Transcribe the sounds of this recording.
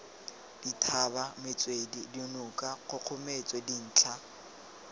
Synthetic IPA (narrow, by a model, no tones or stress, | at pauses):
d̥itʰabamɪt͡sʼwedidiʊnʊkʼaɣʊq͡χʰʊmet͡sʼwedin̩ːt͡ɬʰa